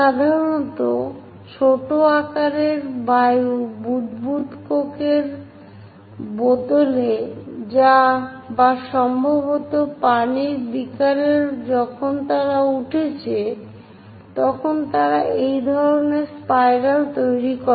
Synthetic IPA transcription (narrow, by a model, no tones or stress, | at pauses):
ʃad̪ʱaɾonɔt̪o | t͡ɕʰoʈoakaɾeɾbajubud̪but̪kokeɾ | bod̪oled͡ʑa | baʃɔmbʱobot̪opaniɾbikaɾeɾd͡ʑɔkʰont̪aɾauʈʰet͡ɕʰe | t̪ɔkʰont̪aɾaʔejd̪ʱɔɾoneɾspajɾalt̪ojɾikɔ